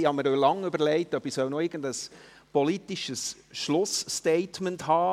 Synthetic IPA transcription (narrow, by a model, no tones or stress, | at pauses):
ihɑməɾølɑŋʉbəɾlɛɪtœbisœlnoɪɾɡ̥əndəs | pɔlitiʃəs | ʃlʊsteɪtmənthɑː